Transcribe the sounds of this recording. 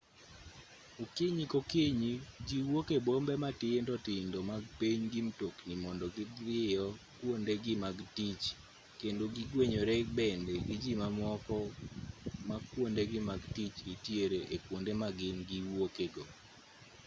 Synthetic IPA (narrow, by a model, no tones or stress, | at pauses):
okeɲikokeɲid͡ʒiwokebombematɪendɔtɪndomaɡ̚piɲɡimtoknimɔndɔɡɪdɪjɔkwondeɡɪmaɡtit͡ʃ | kendoɡiɡweɲoɾɛbɛndɛɡid͡ʒimamwɔkɔ | makwondeɡɪmaɡtit͡ʃitjeɾeʔekwondemaɡɪnɡiwokeɡo